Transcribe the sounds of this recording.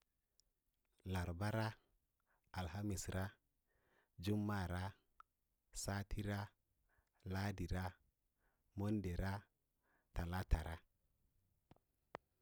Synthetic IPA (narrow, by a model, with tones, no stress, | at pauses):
la˨ɾba˦ɾa˦ | a˨lha˦mi˨sɾa˦ | d͡ʒu˦mːa˦˨ɾa˦ | sa˦tʰi˦ɾa˦ | la˦di˨ɾa˦ | mo˦nde˨ɾa˦ | ta˨la˦ta˨ɾa˦